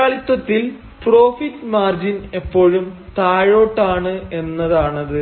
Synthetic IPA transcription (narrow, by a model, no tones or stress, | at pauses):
aːɭit̪ːwɐt̪ːil | pro̞ːfitːmaːrd͡ʑine̞pːo̞ːɻumt̪aːɻo̞ːʈːaːɳɨe̞nːɐðaːɳɐðɨ